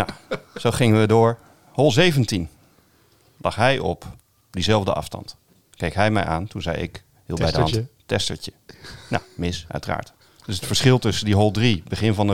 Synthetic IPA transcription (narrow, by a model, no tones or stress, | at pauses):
naz̥owχɪŋənʋədʊːɹ | hɔlˠzejvəntin | lʔɑχɦɛjʔɔ̰p | dizɛlˠvdəʔɑ̰fstɑ̰nt | kejkɦɛjmɛ̰jʔa̰ːntunzɛ̰jɪ̰k | hiːlˠbɛjdəɑnttɛstəɹtəna̰wmɪsœ̰ɥtəra̰ːɹt | d̥ɵsətfəɹsχɪlˠtɵsəndiɦɔlˠdribəχɪnvɑnə